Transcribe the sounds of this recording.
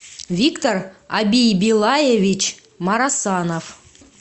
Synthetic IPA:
vʲikt̪orɑbʲijbʲilˠɑjevʲit͡ɕ | mɑɾɑsɑnof

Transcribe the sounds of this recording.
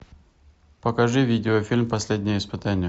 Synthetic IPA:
pəkɐʐɨvʲidʲɪofʲilʲmpɐsʲlʲedʲnʲɪjəɪspɨt̪anʲɪj

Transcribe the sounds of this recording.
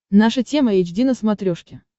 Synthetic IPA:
naʂətʲe̞məjɛd͡ʑdʲinəsmɐt̪ɾʲoʂkʲɪ

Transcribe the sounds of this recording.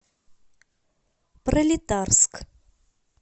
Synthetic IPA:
prəlʲit̪arsk

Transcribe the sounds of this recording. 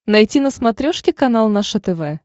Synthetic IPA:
nɐjtʲinəsmɐt̪ɾʲoʂkʲɪkɐnalˠnɐʂət̪ɛvɛ

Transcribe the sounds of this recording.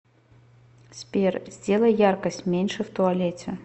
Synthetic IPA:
sʲpʲerzʲdʲe̞lˠəjjarkəsʲtʲmʲenʲʂɨft̪ʊɐlʲet͡sʲɪ̰

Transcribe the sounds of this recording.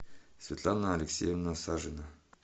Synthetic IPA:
svʲet̪lˠanaːlʲeksʲejevnasaʐɨna

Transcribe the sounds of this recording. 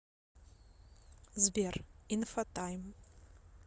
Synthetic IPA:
zbʲerinfatʼajm

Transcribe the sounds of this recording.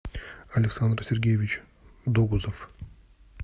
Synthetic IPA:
ɐlʲɪksand̪ɾsʲeɾʲɡʲejevʲit͡ɕ | d̪oɡuzof

